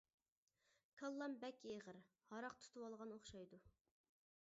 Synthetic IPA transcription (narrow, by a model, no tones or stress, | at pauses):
kʰɑlˠːɑmbɛkʲeʁəɾ | hɑɾɑqt̪ʰu̥t̪ʰuwɑlˠʁɑnoχʃɑjd̪u